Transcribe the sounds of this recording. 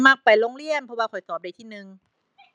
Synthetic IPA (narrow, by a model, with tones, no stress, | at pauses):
ma˧k̚pa˨˩jloː˧ŋɾi˥˩əmpʰɔ˧waː˧kʰɔ˨˩jt̪ɔː˨˩p̚da˧jt̪ʰiː˥˩nɯ˧ŋ